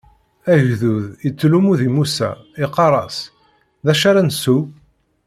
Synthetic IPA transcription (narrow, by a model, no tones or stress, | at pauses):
æʝðuðət͡sːlumuðimusæ̰iqɑɾˤɑs | ðæʃaɾænsu